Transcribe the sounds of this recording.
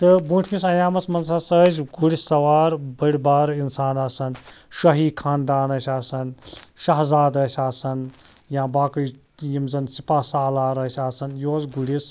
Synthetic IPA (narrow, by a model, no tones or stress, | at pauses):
t̪ɨbuʈʰmisɐjaːmɐsmɐnzɐsəzɡuɽisɐwaːɾbɐɽʲbaːɾinsaːnasɐnʃɐɦiːkʰaːnd̪aːnɐsʲaːsɐnʃɐɦzaːd̪ɐsʲaːsɐn | jãːbaːkɨ | jimzɐnsipaːsaːlaːɾɐsʲaːsɐnjoːzɡuɽis